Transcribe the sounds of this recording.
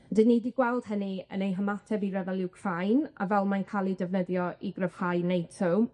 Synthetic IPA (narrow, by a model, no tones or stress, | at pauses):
dɨnːidiɡwɛlˠd̥ɦəniə̰nejɦəmatʰɛviɾɛvɛlˠɪwkʰr̥ajna̰vɛlˠmankʰaːlˠidɛvnəðjɔʔiɡrəv̥hajnejtʰə